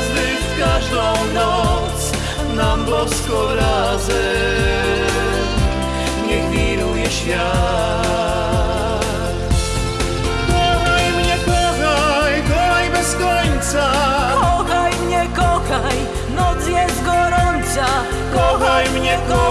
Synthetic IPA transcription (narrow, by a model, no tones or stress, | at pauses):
zɪfkaʒd̪ɔ̃w̃nɔt̪s | nabɔskɔbɾa | zɨ | ɲɛxmʲiɾujɛɕfʲja | t | kɔxajmɲɛkɔxajkɔxajbɛskɔɲt̪sakɔxajmɲɛkɔxaj | nɔt̪sjɛst̪ɡɔɾɔnt̪sa | kɔxajmɲɛkɔ